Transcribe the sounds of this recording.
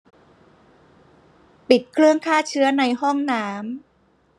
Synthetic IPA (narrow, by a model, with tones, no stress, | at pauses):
pi˨˩t̪̚kʰɾɯ˥˩əŋkʰaː˥˩t͡ɕʰɯ˦˥ɐna˧jhɔ˥˩ŋnaː˦˥m